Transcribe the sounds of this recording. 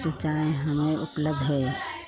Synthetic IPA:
sɾət͡ʃaːeɦɐmẽʔʊpləb̚d̪ʱɦɛː

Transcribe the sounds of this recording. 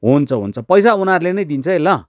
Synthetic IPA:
ɦunt͡sʰʌɦṵnt͡sʰʌpʌjsaunaɾulenʌjd̪int͡sʰʌɦelʌ

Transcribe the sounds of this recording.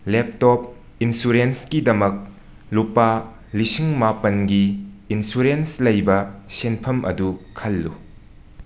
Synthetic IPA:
lep̚tɔp̚ | insuɾenskidɐmɐk̚ | lupa | lisiŋmapɐnɡiː | nsuɾenslɐjbɐsenpʰɐmʔɐ̰dukʰɐlːṵ

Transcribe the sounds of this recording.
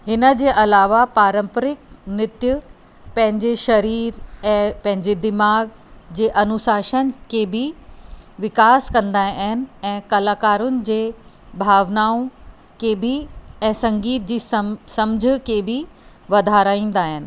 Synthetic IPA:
ɦɪnə̆d͡ʑeːʔɐlaːʋapaːɾə̃mpəɾɪk̚nɪt̪jʊ | pɐ̃ɦɪ̃ɲd͡ʑeʃɐɾiːɾɛ̃ːpɐ̃ɦɪ̃ɲd͡ʑed̪ɪmaːɡ | d͡ʑeːʔɐnʊsaːʃənkʰeːbʱɪ | ʋɪkaːskɐ̃nd̪aːɦɪnɪ̆ɛ̃ːkɐlaːkaːɾʊnɪ̆d͡ʑeː | bʱaːʋnaːũ | kebʱiɛ̃ːsɐ̃ŋɡiːt̪̚d͡ʑiːssɐ̃md͡ʑʱɪ̆keːbʱi | ʋɐd̪ʱaːɾaːĩːn̆d̪aːɦɪnɪ̆

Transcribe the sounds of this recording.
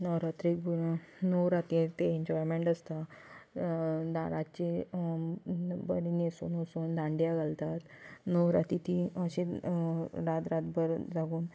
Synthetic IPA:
nəwɾat̪ɾik̚buɾnoɾat̪it̪eeɲd͡ʑɔjmeɳʈəst̪a | d̪aɾat͡ɕe | bəɾinesṵːnɦosuːnd̪ãɳɖjaɡalt̪at̪noɾat̪it̪iəɕẽ | ɾad̪ɾat̪bəɾd͡zaɡuːn

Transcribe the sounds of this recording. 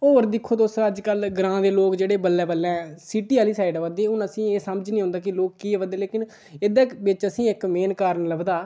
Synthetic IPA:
oːəɾd̪ɪkʰːoːt̪osəd͡ʒkəlɡɾãːd̪eːloːkd͡ʒeːɽeːbəlːɛːbəlːɛ̃ːɛsiːʈiːaːliːsaːɪɖʋəd̪eːʊnəsĩːeːsəməd͡ʒnĩːɦʊ̃ːnd̪aːkɪloːkːieːʋəd̪eːleːkɪn | ɪd̪ɛːʋɪt͡ʃəsĩːɪkmeːnkaːɾnələbd̪aː

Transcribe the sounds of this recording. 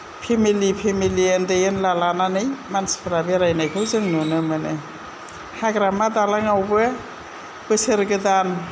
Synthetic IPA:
pʰemilipʰemiliendɯjɯnlalananɯjmanspʰɾabeɾajnajkʰɯwzɯŋnunɯmɯnɯ | haɡɾamadalaŋawbɯ | b̥ɯsɯɾɡɯdan

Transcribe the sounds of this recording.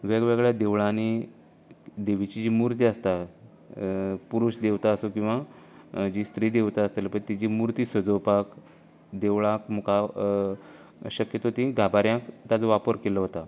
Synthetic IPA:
ʋeɡʋeɡɭjad̪eʋɭani | d̪eʋit͡ɕid͡ʑiːmuɾt̪̬iəst̪a | puɾuɕd̪eʋt̪aəsokĩw̃ʋa | d͡ʑist̪ɾiːd̪eʋt̪aəst̪elpəɳt̪id͡ʑiːmuɾt̪iːsəd͡zəwpak | d̪eʋɭãkmuka | ɕəkjət̪oɦt̪ĩɡʱabaɾjãkt̪at͡soʋapəɾkeləɦot̪a

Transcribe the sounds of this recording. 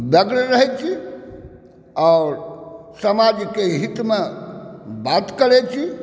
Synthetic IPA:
bəɡɽɾəɦɛt͡ʃʰi | aʊɾsəmad͡ʒkeɦit̪me | bat̪kəɾɛt͡ʃʰi

